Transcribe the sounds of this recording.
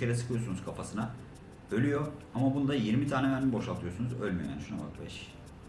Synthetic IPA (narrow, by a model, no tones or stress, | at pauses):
eɾɛsɯ̥kʰɯjo̞sunuzkʰafasɯna | ø̞lʲyjo̞ | amabunud̪ajiɾmit̪ʰaːnɛvæniibo̞ʃalˠt̪ʰɯjo̞sunuzø̞lʲmyjoja̰nʃunama̰t̪bɛʃ